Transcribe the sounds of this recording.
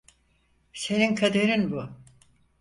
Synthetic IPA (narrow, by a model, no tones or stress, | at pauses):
se̞ninkʰad̪eɾinbʊ